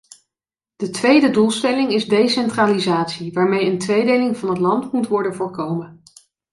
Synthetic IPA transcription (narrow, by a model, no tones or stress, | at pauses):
d̥ətʋejdədulˠstɛlɪŋɪzdejsɛntralizaːtsiʋaːɹmejəntʋejdejlɪŋvɑnɦətlɑntmutʋɔɹdənvʊːɹkowmən